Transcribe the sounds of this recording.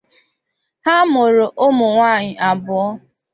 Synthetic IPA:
ha˦mo˨ɾo˨ʔo˦mʊ˨ŋʷaː˦˨ɲɪ˨ʔa˨bʊ˨ɔ˦

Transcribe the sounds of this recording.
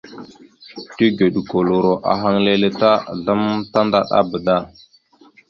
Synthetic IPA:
ti˦ɡe˨ɗu˨ko˨lo˨ɾo˨ʔa̰˨ɦa˦ŋle˦le˦ta˦˨ɮa˦mta˦nda̰˦ɗa̰˦bə˨ɗa˦˨

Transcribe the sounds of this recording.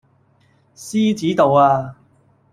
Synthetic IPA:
siː˥t͡siː˨˥t̪o˨waː˧

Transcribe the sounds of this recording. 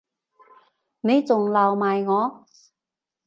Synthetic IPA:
me˨˧˥jt͡sʊ˨ŋla˨˩wmaː˨jŋɔː˨˧

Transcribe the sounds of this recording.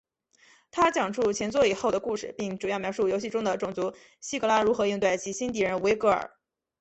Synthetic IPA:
t̪ʰa˥t͡ɕjɑ˨˩ŋʈ͡ʂʰu˥˩t͡ɕʰjɛ˧˥nt͡swɔ˥˩i˨˩xo˥˩ʊd̪ə˩ku˥˧˩ʂɻ̩˥˩pi˥˩ŋʈ͡ʂu˨˩jɑ˥˩ʊmjɑ˧˥ʊʂu˥˩jo˧˥ɕi˥˩ʈ͡ʂʊ˥ŋd̪ə˨ʈ͡ʂʊ˨˩ŋt͡su˧˥ | ɕi˥kɤ˧˥la˥ɻu˧˥xɤ˧˥i˥˧ŋt̪we˥˩ɪt͡ɕʰi˧˥ɕi˥nt̪i˥˩ɻə˧˥nwe˧˥ɪkɤ˧˥ə̰˞˨˩˦

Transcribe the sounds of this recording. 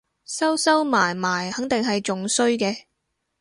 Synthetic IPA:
sɐ˥wsɐ˥wmaː˨˩jmaː˨˩jhɐ˨˥ŋt̪ɪ˨ŋɦɐ˨jt͡sʊ˨ŋsɵ˥ɥkɛː˧

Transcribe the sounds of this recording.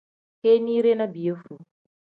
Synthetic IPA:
ke˦ni˦ɾe˦na˦bi˨ə˦fu˨

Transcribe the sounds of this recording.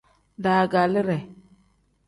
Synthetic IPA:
da˨ɡa˨lə˦ɾɛ˨

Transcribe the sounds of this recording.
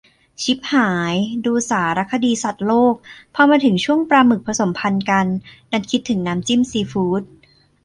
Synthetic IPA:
t͡ɕʰi˦˥p̚haː˩˦jduː˧saː˩˦ɾa˦˥kʰːa˧diː˧sa˨˩t̪̚loː˥˩k̚pʰɔː˧maː˧t̪ʰɯ˩˦ŋt͡ɕʰu˥˩əŋpɾaː˧mɯ˨˩k̚pʰɾa˧so˩˦mpʰa˧nka˧nː | a˦˥˩nkʰi˦˥t̪ʰːɯ˩˦ŋnaː˦˥mt͡ɕi˥˩msiː˧fuː˦˥t̪̚

